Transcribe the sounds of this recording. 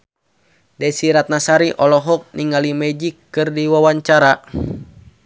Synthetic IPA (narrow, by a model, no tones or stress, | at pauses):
dɛsiɾat̪̚nasaɾiʔɔlɔɦɔk̚niŋalimɛd͡ʒikːɨrdiwawaɲt͡ʃaɾa